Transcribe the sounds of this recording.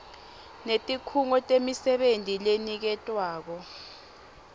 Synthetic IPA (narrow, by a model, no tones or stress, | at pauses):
netʼikʰuŋɔtʼemisɛɓentʼilenik̬ɛtʼwaːk̬ɔ